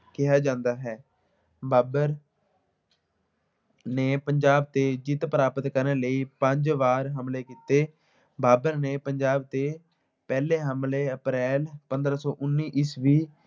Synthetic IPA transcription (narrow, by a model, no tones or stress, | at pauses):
kɪɦaːd͡ʒãːnd̪aːɦɛː | baːbəɾ | neːpəɲd͡ʒaːb̚t̪eːd͡ʒɪt̪pəɾaːpət̪kəɾneːləiːpəɲd͡ʒʋaːɾɦəmleːkiːt̪eː | baːbəɾneːpəɲd͡ʒaːbt̪eː | pɛːleːɦəmleːəpɾɛːlpənd̪ɾaːsɔːʔʊnːiːʔɪsʋiː